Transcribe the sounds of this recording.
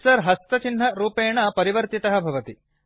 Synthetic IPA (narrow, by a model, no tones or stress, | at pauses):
sɐɾɦɐst̪ɐt͡ʃinːɐɾuːpeːɳɐpɐɾiʋɐɾt̪it̪ɐɦɐbʱɐʋɐt̪i